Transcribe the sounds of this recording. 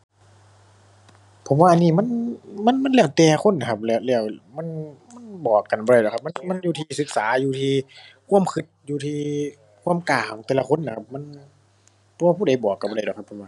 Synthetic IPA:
pʰo˨˦mwaː˧ʔniː˧˩ma˧˥˨nma˧˥˨nma˧˥˨nlɛː˧˩wt̪ɛː˧˩kʰo˧˥˨nːa˨˦kʰa˧˩p̚lɛː˧˩˨wlɛː˧˩˨wma˧˥˨nma˧˥˨nbɔː˨˩kːa˨nbɔː˧ɾdɔ˨˩kʰa˧˥ma˧˥nma˧˥˨njuː˧t̪ʰiː˧˩sɯ˧˦k̚saː˨˦juː˧˩t̪ʰiː˧kʰu˧˥ə˨mkʰɯ˧˥t̪̚juː˧t̪ʰiː˧ | kʰu˧˥˨mkaː˨˩kʰɔ˨˦ŋt̪ɛː˧la˧kʰo˧˥˨nːa˧kʰa˧p̚ma˧˥˨n | pʰo˧˦waː˧pʰuː˧˥˨da˨˩jbɔː˨˩kːa˨˩bɔː˧a˧˩jdɔ˨˩kʰpʰːo˨˧˦mwaː˧˨

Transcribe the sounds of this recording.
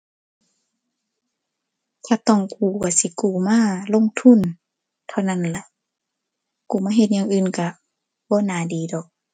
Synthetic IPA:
t̪ʰaː˧t̪ɔ˧˨ŋkuː˨˩ka˧˩si˧˦kuː˧˨˩maː˧˥˨lo˧˥˨ŋt̪ʰu˧˥˨n | t̪ʰa˧˨wna˧˥˨nla˧˦ʔ | kuː˨˦maː˧˥˨ɦe˧t̪̚ɲaː˧ŋʔɯː˧˨nka˧˩ | bɔː˧˦˨naː˨˦diː˨˦dɔː˨˩k̚

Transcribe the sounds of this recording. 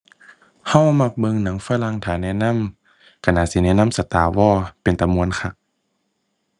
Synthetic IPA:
ha˧˥˨wa˧ma˧˩k̚bɤ˧˨ŋna˨˦ŋfaː˧˨la˧˨ŋt̪ʰaː˨˩˦nɛː˧˥˨na˧˥˨m | kʰa˧˨naː˧˩siː˧˦nɛː˧˥˨na˧˥˨msa˧˦t̪aː˨˦wɔː˧˩pe˨nt̪a˨mːu˧˨ənkʰa˧˩k̚

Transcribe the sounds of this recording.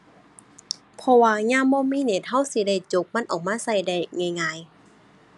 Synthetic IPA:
pʰɔ˧waː˧ɲaː˧˥˨mbɔː˧˥˨miː˧˥˨ne˨˩t̪̚ha˧˥˨wsi˧˦da˧˩jt͡ɕo˧˦k̚ma˧˥˨nʔɔː˨˩k̚maː˧˥˨sa˧˩˨jda˧˩jŋa˧˩jŋaː˧˨j

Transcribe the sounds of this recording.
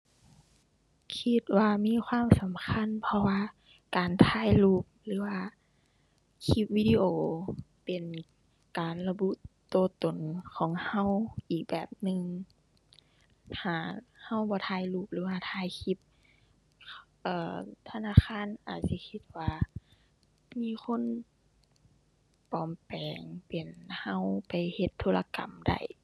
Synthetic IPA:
kʰi˧t̪̚waː˧miː˧˥˨kʰwaː˧˥˨msa˨˦mkʰa˧˥˨npʰɔ˧waː˧ | kaː˨˩nt̪ʰaː˧˥˨jluː˧˩p̚lɯː˨˦waː˧ | kʰi˧˥p̚wiː˧diː˧ʔoː˧˩pe˨˩n | kaː˨˩nla˧bu˧˥ʔt̪oː˧t̪o˨nkʰɔː˨˦ŋha˧˥˨wʔiː˨˩k̚bɛː˨˩p̚nɯ˧ŋ | hʰaː˧˩ha˧˥˨wbɔː˧˦t̪ʰaː˧˨jluː˧˩p̚lɯː˨˦waː˧t̪ʰaː˧˨jkʰi˧˦p̚ | ʔɤː˧˩t̪ʰa˧naː˧˥˨xʰaː˧˥˨nʔa̰ː˨˩t̪̚si˧˦kʰi˧˥t̪̚waː˧ | miː˧˥˨kʰo˧˥˨n | pɔː˨˩mpɛː˨ŋpe˨˩nha˧˥˨wpa˨jhe˧t̪ʰːoː˧˥la˧ka̰˨˩mda̰˧˩j

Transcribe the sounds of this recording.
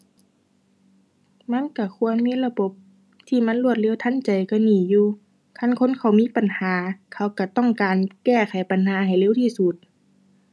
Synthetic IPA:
ma˧˥˨nka˧˩kʰu˧˥ənmiː˧˥˨la˧bo˧˦p̚ | t̪ʰiː˧˩ma˧˥nlu˧˨ət̪̚le˧˥˨wt̪ʰːa˧˥˨nt͡ɕa˨jka˧˩niː˨˩juː˧ | kʰa˧˥˨nkʰo˧˥˨nkʰa˨˩wmiː˧˥˨pa˨nhaː˨˦kʰa˧˩˨wka˧˩t̪ɔ˧˥˨ŋkaː˨nkɛː˧˩kʰa˨˩jpa˨nhaː˨˦ɦa˨˩jleː˧˥˨wt̪ʰiː˧˨su˧˦t̪̚

